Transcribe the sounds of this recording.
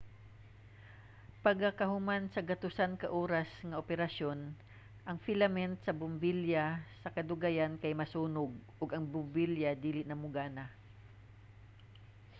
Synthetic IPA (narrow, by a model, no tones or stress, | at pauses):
pɐɡɐkɐhʊmansɐɡɐt̪ʊsankɐʔoːɾɐsŋɐʔopɛɾɐʃo̞n | ʔɐŋfɪlɐmɛnt̪sɐbʊmbiljasɐkɐd̪ʊɡajankɐjmɐsuːnʊɡ̚ʔʊɡɐŋbʊmbiljad̪iːlɪʔnɐmʊɡaːna